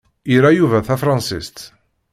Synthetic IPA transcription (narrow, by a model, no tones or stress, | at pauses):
iɾæjuvæθæfɾˤɑ̃nsist̪